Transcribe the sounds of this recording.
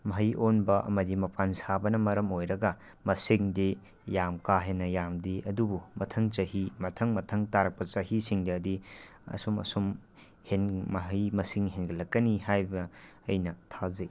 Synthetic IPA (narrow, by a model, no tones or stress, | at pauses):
mɐɦɐjʔonbɐʔɐ̰mɐdimɐpʰansabɐnɐmɐɾɐmojɾɐɡɐ | mɐsiŋdi | jamkaɦenːɐjamdiɐdubumɐtʰɐŋt͡ʃɐhimɐtʰɐŋmɐtʰɐŋtaɾɐk̚pɐt͡ʃɐhisiŋdɐːdi | ɐ̰sumɐ̰sum | henmɐɦɐjmɐsiŋɦenɡɐlɐkːɐnihajbɐː | jnɐtʰaze